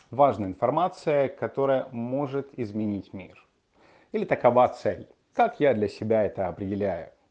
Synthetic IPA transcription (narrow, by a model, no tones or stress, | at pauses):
vaʐnəɪnfɐrmat̪sɨjəkɐt̪o̞ɾəjəmo̞ʐɨt̪ɪzmʲɪnʲitʲmʲḭr | ilʲɪt̪əkɐvat̪sɛlʲ | kakjad̪lʲɐsʲɪbʲaɛt̪əɐpɾʲɪdʲɪlʲæjʊ̰